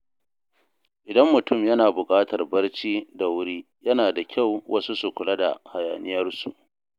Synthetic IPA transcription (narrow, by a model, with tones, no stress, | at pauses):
ʔɪ˨dɐ˦mːʊ˨tʊ˦˨mjɐ˦naː˨bʊ˨kʼaː˦tɐ˨rbɐ˦rt͡ʃiː˦da˨wʊ˦ɽiː˦ | jɐ˦naː˨da˨kʲa˦˨wwʔɐ˦su˦su˨kʷʊ˨lɐ˦da̰˨ha˨jaː˨nɪ˦jɐ˦rsṵ˨ʔ